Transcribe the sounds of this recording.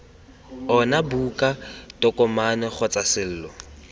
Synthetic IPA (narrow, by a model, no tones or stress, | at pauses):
ɔnabukʼatɔkʼɔmanɛχɔt͡sʼasɪl̩ːlɔ